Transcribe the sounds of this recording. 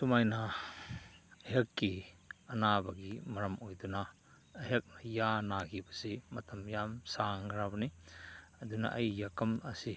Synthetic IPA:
sumajnɐ | ɐɦɐkːiɐnabɐɡimɐɾɐmojdunɐː | ɦɐk̚njanakʰibɐsimɐtʰɐmjamsaŋɡɾabɐniɐdunɐ̰ʔɐjːakɐmɐsi

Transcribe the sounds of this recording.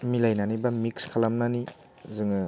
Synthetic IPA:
milajnanibamikskʰalamnani | zɯŋɯ

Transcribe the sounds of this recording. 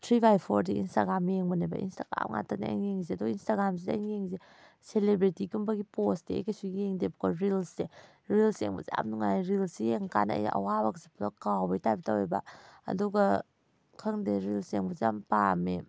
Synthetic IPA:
tʰɾibajpʰoɾdiḭnstaɡɾamjeŋbanajba̰ʔḭnstaɡɾa̰mŋa̰tanaa̰jŋeŋzeɐduɡainstaɡɾams̬idajŋeŋze | selebɾitikumbaɡiposdeḛjkasujeŋdebkoɾilse | ɾilsḛŋbɔ̰za̰mnuŋaɾilsijeŋka̰nɐ̰ja̰ʔɐ̰wabaksepʰlakawbajtajbitaweba̰ɐ̰duɡa | kʰɐŋdeɾilseŋbɔzampame

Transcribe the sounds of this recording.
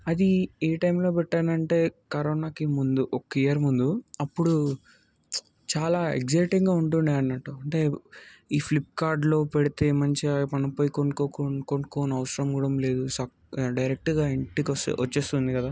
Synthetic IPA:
ɐd̪ieːʈɐjmlo̞ːpɛʈːaːnɐɳʈe̞ːkɐɾoːnaːkimund̪uʔɔkːɐijɐɾmund̪uɐpːuɽu | t͡ʃaːlaːḛɡzɐjʈiŋɡaːuɳʈund̪iɐnːɐʈːuɐɳʈe̞ːiːpʰlip̚ːkaːɾɖlo̞ːpeɽit̪e̞ːmɐɲt͡ʃipɐnipoːjikonkoːkokoɳkoːnɐʋɐsɾɐmkuːɽɐmle̞ːd̪usɐ | ɖɐjɾek̚ʈɡaːiɳʈiksɐt͡ʃːeːst̪und̪ikɐd̪aː

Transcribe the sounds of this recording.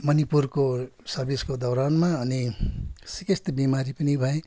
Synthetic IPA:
mʌnipurkosʌbiskod̪ʌwɾanmaʌnisikest̪bimaɾipʌnibʱʌe

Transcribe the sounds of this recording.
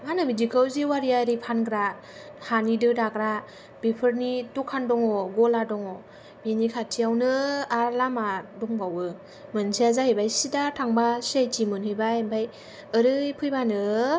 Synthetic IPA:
manɯbidikʰɯwziwaɾijaɾipʰanɡɾa | hanidɯdaɡɾa | b̥epʰɯɾnitukʰandɔŋɔɡɔladɔŋɔ | binikʰatʰijawnɯaɾlamadɔŋɡawɯ | mɯnsiazahejbajsidatʰaŋbasejtʰimɯnhɯjbaembʰaj | ɯɾɯpʰɯjbanɯ

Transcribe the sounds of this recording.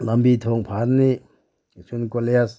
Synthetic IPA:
lambit̪ʰɔŋpʰaɾni | sʰunkolejas

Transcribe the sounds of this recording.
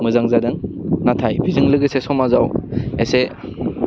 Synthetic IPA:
mɯzaŋzadɯŋnatʰajbizɯŋlɯɡɯsesɔmazawese

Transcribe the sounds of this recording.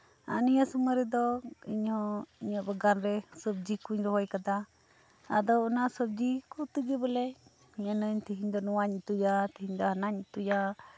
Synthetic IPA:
a̰nijasuməɾɛd̪ɔiɲhɔ̃iɲɔʔbəɡanɾɛsəb̚d͡ʒikuɲɾɔɦɔjkad̪a | a̰d̪ɔɔnasəb̚d͡ʒikɔt̪əɡɛbəlɛ | iɲanəɲt̪əɦiɲd̪ɔnɔwaɲt̪ujat̪əɦiɲd̪ɔhanaɲt̪uja

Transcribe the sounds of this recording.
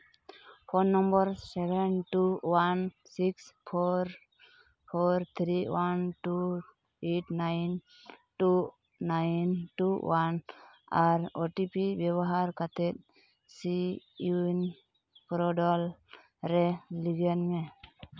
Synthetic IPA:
pʰonːɔmbɔɾsɛbʱɛnʈuwansikspʰɔɾ | pʰɔɾt̪ʰɾiwanʈu | eʈnajn | ʈu | najnʈuwanaɾoʈipibjɛbɔɦaɾkat̪ʰɛt̪̚ | siun | pɾɔɖɔl | ɾɛliɡɛnmɛ

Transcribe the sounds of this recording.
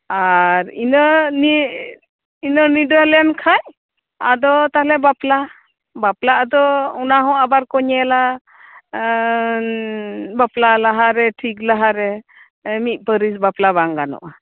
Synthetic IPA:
aɾinəni | inənuɖəlɛnkʰaj | ad̪ɔt̪aɦlɛbapla | baplaʔad̪ɔunaɦɔ̃abaɾkɔɲɛla | baplalaɦaɾɛʈʰiklaɦaɾɛ | mit̪̚ˀpəɾisbaplaβaŋɡanɔ̰ʔa

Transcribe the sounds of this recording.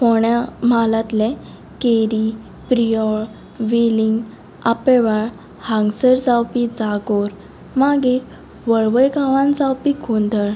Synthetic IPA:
fɔɳjamalat̪lɛ̃ | keɾi | pɾijɔɭ | ʋeliŋɡ | apɛʋaɭ | hãŋɡsəɾd͡zawpid͡zaɡɔɾ | maɡiːɾ | ʋəɭʋəjɡaʋãnd͡zawpikʰond̪əɭ

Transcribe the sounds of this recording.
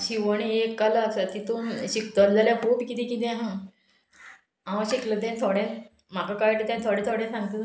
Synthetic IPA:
ɕiʋəɽ̃iekːalaksat̪̚kit̪umɕikd̪ɔɾd͡zaljapupikit̪ĩkit̪ɛ̃ɦã | ãwɕikləd̪ɛ̃nt̪ʰoɽɛ̃ | m̤akakajʈət̪ɛ̃nt̪ʰoɽɛ̃t̪ʰoɽɛ̃sãŋɡt̪ə

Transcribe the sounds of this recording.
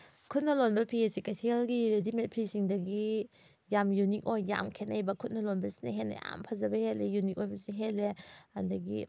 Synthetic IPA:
kʰut̚nɐlonbɐpʰiesikatʰelɡiɾedimet̚pʰisiŋdɐɡi | jamjunik̚ojːa̰mkʰenajbɐkʰut̚nɐlonbɐsi̥nɐ̰ɦenɐ̰ja̰mpʰɐzɐbɐhelejunik̚ojbɐsiɦelːehɐndɐɡḭ

